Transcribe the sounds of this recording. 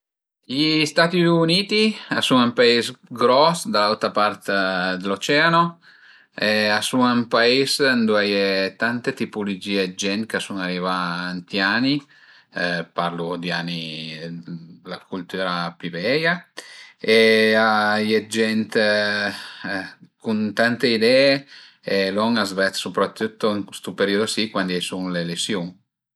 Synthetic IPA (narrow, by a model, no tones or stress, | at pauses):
ʎist̪at̪iuniːt̪iasunampaisɡɾɔsd̪alalt̪ɾapaɾt̪d̪elot͡ʃɛano | easuampaisnd̪uajet̪ant̪et̪ipulud͡ʒiːed͡ʒɛnt̪kasunarɾivaːnt̪jaːni | paɾlud̪iani | lakult̪uːɾapivɛja | eajed͡ʒɛnt̪ | kunt̪ant̪eid̪ɛːe | elɔŋazvɛt̪supɾat̪ːut̪ːoŋst̪upeɾiod̪osikwand̪iajsuŋlelesjuŋ